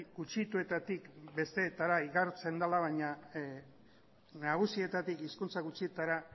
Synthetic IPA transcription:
ɡut͡ʃit̪ue̞t̪at̪ikbe̞st̪e̞ːt̪aɾaiɣaɾt͡se̞nd̪alaβaɲa | naɣ̞usie̞t̪at̪ikiskunt͡saɣut͡siet̪aɾa

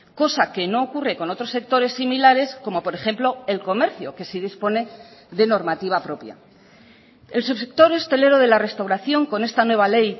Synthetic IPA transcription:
ko̞sake̞no̞ːkure̞ko̞no̞t̪ɾo̞se̞k̚t̪o̞ɾe̞sːimilaɾe̞sko̞mo̞po̞ɾe̞xe̞mplo̞e̞lko̞me̞ɾθjo̞ke̞sið̞ispo̞ne̞ðe̞no̞ɾmat̪iβ̞apɾo̞pja̰ | e̞lsuβsek̚t̪o̞ɾe̞st̪e̞leɾoðe̞lare̞st̪awɾaθjo̞ŋko̞ne̞st̪anwe̞β̞ale̞j

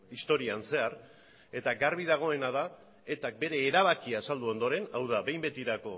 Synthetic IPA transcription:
ist̪o̞ɾianse̞ar | e̞t̪aɡarβið̞aɣ̞o̞e̞nað̞a | e̞t̪ak̚be̞ɾe̞ːɾaβ̞akiaːsald̪uo̞nd̪o̞ɾe̞nawðaβe̞jmbe̞t̪iɾako̞

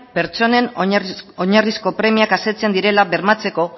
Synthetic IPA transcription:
pe̞ɾt͡so̞ne̞n | oɲarisko̞pɾe̞miakaset͡se̞nd̪iɾe̞laβe̞ɾmat͡se̞ko̞

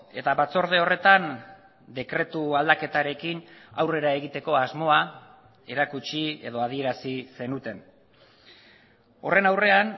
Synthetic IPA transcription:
e̞t̪aβat͡so̞ɾð̞e̞o̞re̞t̪an | d̪e̞kɾe̞t̪uald̪ake̞t̪aɾe̞kina̰wre̞ɾae̞ɣit̪e̞ko̞azmo̞a | e̞ɾakut͡ʃie̞̰ð̞o̞að̞ie̞ɾasise̞nut̪e̞n | o̞re̞nawre̞an

